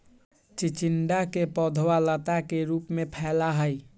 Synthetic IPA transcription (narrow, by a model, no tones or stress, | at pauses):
t͡ʃit͡ʃinɖakepɔd̪ʱwalət̪akeɾupmepʰɛlaɦəj